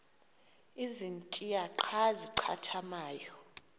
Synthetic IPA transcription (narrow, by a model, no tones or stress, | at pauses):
izintʼiaǃʰaziǀʰatʰamaːjɔ